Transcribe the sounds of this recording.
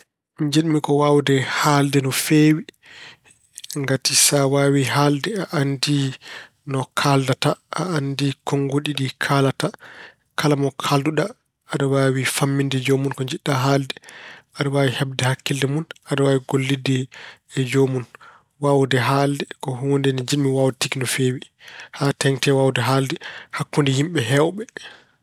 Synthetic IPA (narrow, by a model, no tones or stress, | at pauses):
miɲd͡ʒiɗmikɔwawdɛhaldɛnɔfeːwi | ŋɡatisawawiɦaldɛaʔandi | nɔkʰaldataʔa̰andikʰɔŋɡoɗiɗikʰaːlata | kalamɔkʰalduɗaː | ɗɔwawifamːindɛd͡ʒomunkɔɲd͡ʒiɗːaɦaːldɛaɗɔwawihɛb̚dɛhakːildɛmunaɗɔwawiɡolːidːɛːd͡ʒomun | wawdɛɦaldɛkɔɦuːndɛnid͡ʒimːiwawtikinɔfeːwi | haːtɛŋtɛwawdɛɦaldɛhakːundɛhimɓɛɦɛwɓɛ